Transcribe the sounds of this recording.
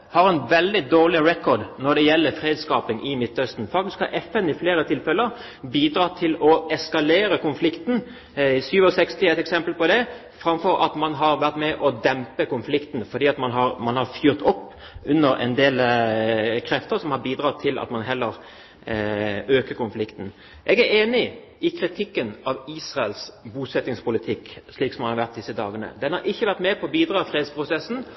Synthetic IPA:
hɑɾɛnʋɛld̪ɪd̪oːʁlɪɾɛkɔd̪nɔʁd̪ɛjɛlːəfɾeːd̪skɑːpɪŋʔɪmɪt̪ːœst̪n̩fɑkt̪ɪskhɑɾʔɛfɛnɪfleːɾət̪ʰɪlfɛləɾ | biːd̪ɾɑt̪ʰɪlɔɛskɑleːɾəkʊnflɪkt̪n̩ | syːʋɔsɛkst̪ɪɛt̪ɛksɛmpəlpɔd̪ɛ | fɾɑmfɔɾɑ̰t̪mɑnɦɑɾʋæʁt̪mɛʔɔd̪ɛmpəkʊnflɪkt̪n̩fɔd̪iːɑt̪mɑnɦɑɾmɑnhɑɾfjyːʁt̪ʰɔpː | ʉnːəɾɛ̰nd̪eːl | kʰɾɛft̪əɾsɔmhɑɾbiːd̪ɾɑːt̪ʰɪlʔɑ̰t̪mɑnɦɛlːəɾ | øːkəkʊnflɪkt̪n̩ | ʔɛɡæɾeːnɪ | ʔɪkʰɾɪt̪ʰɪkːənɑʋiːsʁɑəlsbuːsɛt̪ːɪŋspʊlɪt̪ʰɪkːʂliːksɔmhɑnhɑɾʋæʁt̪̚d̪ɪsːəd̪ɑːɡənə̰d̪ɛnhɑɾʔɪçːəʋæʁt̪mɛpʰɔbiːd̪ɾɑːfɾeːd̪spʰɾʊsɛsn̩

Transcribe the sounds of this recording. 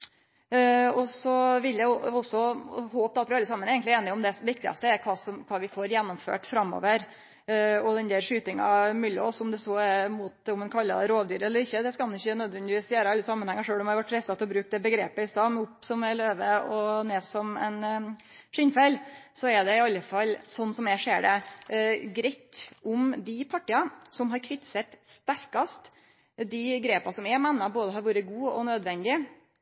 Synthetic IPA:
ɔsɔʋɪljæɪɔɔsɔhoːp̪ːɑt̪ʋɪɑlːəsɑmːənɛɡənt̪ɪeːnɪɔmd̪ɛʋɪk̚t̪ɪɡɑ̰st̪əɛɾkʰɑːsɔmkʰɑːʋɪfoːɾjɛnːɔmfø̰ːʈfɾɑmːo̰ːʋəɾ | ɔd̪ɛnd̪æɾʂyːt̪ɪŋɑ̰mʉlɪɔ̰sɔmd̪ɛsɔɛmut̪ɔmɛnkʰɑlːɑ̰ɾoːʋd̪yːɾɛlːəɾɪçːəd̪ɛskɑlnɪçːənœd̪ʋɛnd̪ɪʋiːsjeːɾəɑlːəsɑmːənhɛŋːɑʂøːlɔmhɑɾʋɑʈflɛst̪ɑt̪ʰɪlɔbɾʉːk̚d̪ɛbəɡɾḛːpəɪst̪ɑmʊpsɔmæɭøːʋəɔneːsɔmɛ̰n | ʂɪnfɛlsɔɛɖ̪ɛɪɑlːəfɑlːsɔnːsɔmɛʂeːɖɛ̰ | ɡɾɛt̪ːʊmd̪ɪpʰɑʈɪɑsɔmɦɑɾkʰɾɪt̪ɪ̥set̪st̪æɾkɑst̪ | d̪ɪɡɾeːpɑsɔmɛmɛnːɑboːd̪əhɑɾʋuːɾəɡuːɔ̰nød̪ʋɛnd̪ɪə

